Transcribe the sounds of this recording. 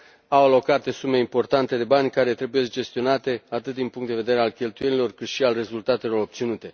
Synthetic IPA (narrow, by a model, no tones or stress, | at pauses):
awalo̞kat̪e̞sume̞impo̞rt̪ant̪e̞d̪e̞banʲkaɾe̞t̪ɾe̞bujesd͡ʒe̞st̪io̞nat̪e̞at̪ɨt̪̚d̪inpuŋkt̪d̪e̞ve̞d̪e̞ɾe̞alkʲe̞lt̪uje̞nilo̞rkɨt̪ʃialre̞zult̪at̪e̞lo̞ɾo̞p̚t̪sinut̪e̞